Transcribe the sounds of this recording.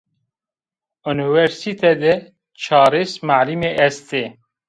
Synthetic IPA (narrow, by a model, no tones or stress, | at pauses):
univɛɾsit̪ʰɛd̪ɛ | t͡ʃʰɑːɾesmaʕlimeʔɛst̪e